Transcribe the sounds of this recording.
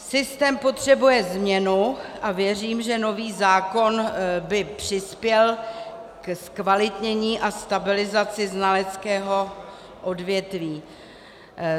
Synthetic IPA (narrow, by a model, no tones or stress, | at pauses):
sɪst̪ɛːmpo̞t̪r̝̥ɛbujɛzmɲɛnuʔavjɛriːmʒɛno̞viːzaːko̞nbɪpr̝̥ɪspjɛlkskvalɪt̪ɲɛɲiːʔast̪abɪlɪzat͡sɪznalɛt͡skɛːɦo | ʔo̞dvjɛt̪viː